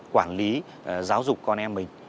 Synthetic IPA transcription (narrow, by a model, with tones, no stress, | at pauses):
kwaː˧˩nli˨˦ | zaː˨˦wzʊ˨˩k͡p̚kɔ˧nʔɛ˧mːï˨˩ŋ̟